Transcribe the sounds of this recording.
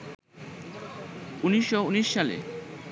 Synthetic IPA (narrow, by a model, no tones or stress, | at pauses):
uniʃːouniʃːalḛ